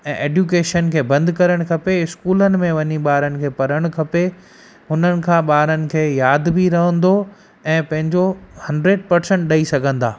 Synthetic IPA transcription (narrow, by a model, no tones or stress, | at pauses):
ɛ̃ːʔeːɖjuːkeːʃənkʰeːbɐ̃nd̪kɐɾəɽ̃kʰɐpeɪskuːlənɪ̆mẽʋɐɲiɓaːɾənɪ̆kʰeːpɐɾəɽ̃kʰɐpe | ɦʊnənɪ̆kʰãːɓaːɾənɪ̆kʰeːjaːd̪bʱiɾɐɦə̃nd̪o | ɛ̃ːpɐ̃ɦɪ̃ɲd͡ʑohɐ̃ɳɖɾeːɖ̚pɐɾsɛ̃ɳʈ̚ɗɐisɐɡʱə̃nd̪a̰ː